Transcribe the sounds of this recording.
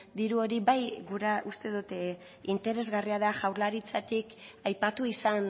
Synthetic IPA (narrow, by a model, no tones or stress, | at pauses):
d̪iɾuo̞ɾiβajɡuɾaʔust̪e̞ðut̪ | int̪e̞ɾe̞zɣariaðaʝawɾlaɾit͡sat̪ikajpat̪uisan